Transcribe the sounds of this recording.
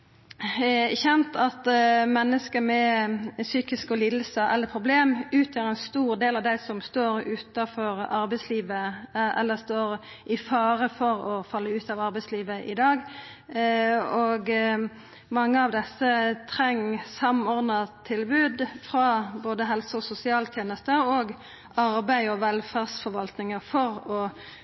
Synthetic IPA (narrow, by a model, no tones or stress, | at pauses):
çɛnt̪ʰɑt̪mɛnːəskəmɛsyːkɪskɔliːd̪l̩səʔɛlːəpʰʁʊbleːmʉːt̪ʰjøːɾɛɪnst̪uːɾd̪eːlɑʋd̪æɪsɔmst̪oːɾʉːt̪ɑfɔɾɑɾbɛɪsliːʋəɛ̰lːəst̪oːɾ | ʔɪfɑːɾəfɔʁɔfɑlːəʉːt̪ɑːʋɑɾbɛɪsliːʋəʔɪd̪ɑːɡ | ɔɡ | mɑŋːəɑʋd̪ɛsːət̪ʰɾɛŋːsɑmɔɾd̪nət̪ʰɪlbʉːd̪fɾɑboːd̪əɦɛlsəɔsʊsɪɑːlt̪ʰjeːnəst̪əɾɔːɡ | ɑɾbæɪɔʋɛlfæːʁsfɔɾʋɑlt̪nɪŋəfɔʁɔ